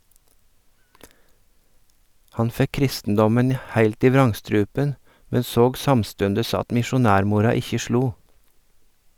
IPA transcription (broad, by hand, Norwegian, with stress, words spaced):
ˈhɑn ˈfɛk ˈkɾɪstn̩dɔmən ˈhæɪlt ˈiː ˈʋɾɑŋˌstɾʉːpən ˈmɛn ˈsoːɡ ˈsɑmˌstʉndəs ˈɑt mɪʃʊˈnæːɾˌmuːɾɑ ˈɪçə ˈʃɭuː